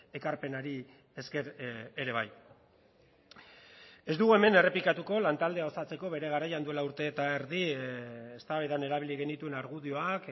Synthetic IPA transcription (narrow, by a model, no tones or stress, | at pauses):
e̞kaɾpe̞naɾi | eskeɾeɾe̞β̞a̰j | e̞zd̪uɣue̞me̞ne̞re̞plikat̪uko̞lant̪ald̪e̞ao̞sat͡se̞ko̞βe̞ɾe̞ɣ̞aɾajand̪ue̞lauɾt̪e̞ːt̪aeɾðiest̪aβejðane̞ɾaβiliɣe̞nit̪ue̞naɾɣuðio̞ak